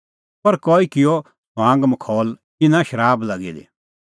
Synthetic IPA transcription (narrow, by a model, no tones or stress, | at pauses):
pɐɾkoːikɪjo | ãːŋɡmɐkʰɔːlkɪnãʃɐɾaːblɐɡḭd̪ḛ